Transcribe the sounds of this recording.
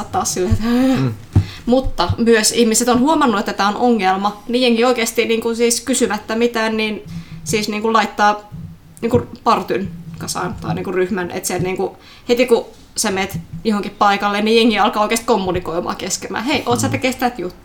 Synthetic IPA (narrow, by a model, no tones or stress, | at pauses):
ɑt̪t̪ɑːssilːeet̪hø | mut̪ːɑmyøsihmiset̪onhuomɑnːuet̪ːæt̪æːonʔoŋːelmɑnijeŋːioikeːst̪iniːŋkunsiːskysymæt̪ːæmit̪æːnniːnsiːsniːŋkullɑit̪ːɑː | niːŋkurpɑrt̪ynkɑsɑ̰nt̪ɑ̰iniːŋkuryhmænʔḛt̪set̪niːŋku | het̪iku | semeːt̪johoŋkippɑikɑlːennijeŋːiɑlkɑːoikest̪komːunikoimɑ̰ːkeskemæ̰ːheiʔoːt̪sɑt̪ekest̪ææt̪jut̪ːu̥